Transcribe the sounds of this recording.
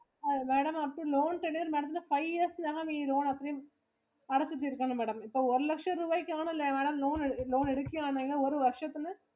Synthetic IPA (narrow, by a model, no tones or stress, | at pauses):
meːɽɐmɐpːɐʈiloːnʈ̪ɛɳɪɐɾmeːɽɐ̃t̪ːnːɯfɐɪɐsnɐɣɐmiːloːnɐt̪ːɐɾɐjɯ̃m | ɐɽɐt͡ʃːɯʈ̪ːɯɪɾɯkːɐɳɯmeːɽɐmɪpːoːɔɾɯlɐkʂɐ̃ɾubɐɪkːaːnɐɪlːɐmeːɽɐmloːnɛloːnɛɽɯkːɪaːnɐŋɡnɐɔɾɯʋɐɾʂɐt̪ːɯnɯ